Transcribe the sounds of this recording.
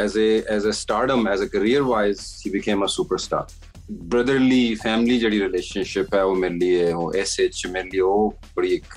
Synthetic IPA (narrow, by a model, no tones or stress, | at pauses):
ɛzeɛzəsʈaːɖə̃mɛzəkəɾiəɾʋaɪzʃiːbɪkʰẽːməsuːpəɾsʈa̰ːɾ | bɾɐd̪əɾliːfæːmlid͡ʒeːɽiɾɪleːʃə̃nʃɪpɦɛoːmeːɾelieoʔɛseːt͡ʃmeːɾelieoː | bɐɽiek